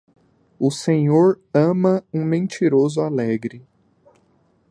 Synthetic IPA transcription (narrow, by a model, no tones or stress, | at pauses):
ʊsẽɲoɾ | ɐ̃mɐũmẽnt͡ʃiɾozʊalɛɡɾɪ